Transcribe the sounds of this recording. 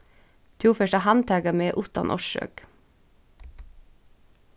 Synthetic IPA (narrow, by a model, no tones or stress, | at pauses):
t̪ʰuːfœʃɑhɑnt̪ʰæːɡɑmeːʔʊt̪ɑ̰nʔɔ̰ʃø̰ɡ̥